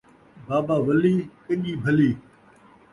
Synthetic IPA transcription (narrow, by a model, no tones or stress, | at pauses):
baːbaːʋɐliːkɐʄiːbʱɐliː